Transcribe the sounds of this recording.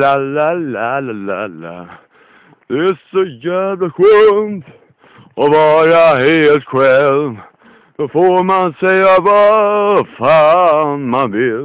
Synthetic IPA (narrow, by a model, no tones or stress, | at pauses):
alælælala̰la̰ | d̪̥ɛæsɔjæːvlaɧønt̪ | ɔvɑːɾaɦeːlt̪ɧɛlm | d̪̥ofoɾmansɛjːava | fɑːnmanvɪl